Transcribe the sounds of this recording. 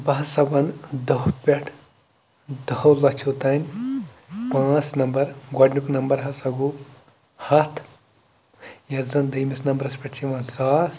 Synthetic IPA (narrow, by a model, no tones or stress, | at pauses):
bɐɦɐsɐbɐnd̪ɐɦut̪̚pʲeʈʰ | d̪ɐhɐwlɐt͡ʃʰot̪aːnʲ | pãːt͡snɐmbɐɾɡɐɖnuknɐmbɐɾɦɐsɐɡu | hɐt̪ʰ | jɐzɐnd̪ɐjmisnɐmbɐɾɐspʲɐʈt͡ʃʰiʋɐnsaːs